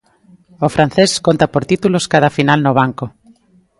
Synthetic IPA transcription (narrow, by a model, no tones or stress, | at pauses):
ofɾan̟θeskont̪apoɾt̪it̪uloskað̞afinalnoβ̞aŋko